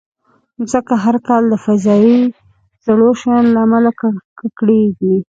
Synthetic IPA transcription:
zəkaɦaɾkɑld̪əfazɑi | z̥aɽoʃajɑnlaːmalakkakɽeɡi

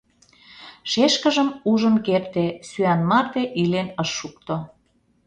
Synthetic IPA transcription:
ʃeʃkə̆ʒəmuʒə̆nkert̪esyɑnmɑrt̪eʔilenəʃːuk̚t̪o

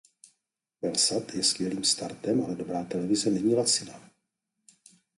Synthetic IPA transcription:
vɛlsat̪jɛskvjɛliːmst̪aɾt̪ɛmalɛdobɾaːt̪ɛlɛvɪzɛnɛɲiːlat͡sɪna

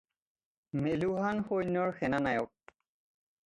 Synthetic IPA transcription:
meluɦanxojnɔɹxɛnanajɔk̚

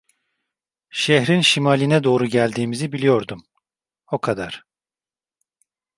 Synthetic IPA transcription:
ʃeɦɾinʃimaːlʲinɛd̪o̞ːɾuɟælʲd̪iːmizibilijo̞ɾd̪um | o̞kʰad̪aɾ̥

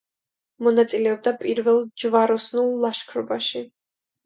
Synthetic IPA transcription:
mɔnat̪sʼilɛɔb̚d̪apʼiɾvɛlˠd͡ʒvaɾɔsnulˠːaʃkʰɾɔbaʃi

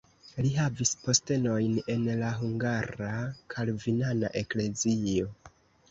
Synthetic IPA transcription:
liɦavispo̞ste̞no̞jne̞nlaɦuŋɡaɾakʰalvinana̰ʔe̞kle̞zio̞

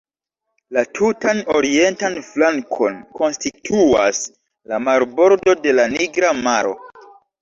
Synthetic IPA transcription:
latʰutano̞ɾie̞ntanflaŋkʰo̞nko̞nstitʰuas | lamaɾbo̞ɾdo̞de̞laniɡɾamaɾo̞̰

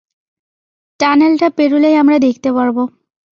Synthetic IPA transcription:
ʈanelʈapeɾulejamɾad̪ekʰt̪epaɾbo

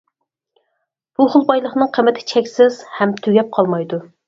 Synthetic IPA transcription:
b̥uχʊlˠbɑjlˠəχnɨŋqʰəmɪt̪ʰɪ̥t͡ʃʰɛkʲsɪz̥hɛmt̪ʰyɡʲɛp̚qʰɑlˠmɑjd̪u

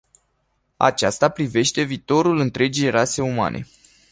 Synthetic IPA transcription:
a̰t͡ʃast̪apɾive̞ʃt̪e̞viːt̪o̞ɾulɨnt̪ɾe̞d͡ʒijrase̞uma̰nʔe̞̰

